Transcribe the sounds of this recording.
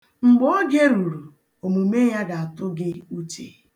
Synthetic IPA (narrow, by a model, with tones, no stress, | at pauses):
ŋ͡m̩˨ɡ͡bɔ˦ɔ˦ɡe˦ɾu˨ɾu˨ | o˨mu˨me˦ja˦ɡa˨a˨tʊ˦ɡɪ˦u˦t͡ʃḛ˨